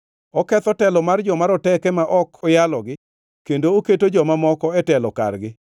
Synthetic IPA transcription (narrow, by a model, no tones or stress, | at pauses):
ɔkɛt̪ɔtɛlɔmard͡ʒɔmaɾɔtɛkɛmaʔɔkʰɔjalɔɡɪ | kendooketod͡ʒɔmamɔkɔɛtɛlɔka̰rɡɪ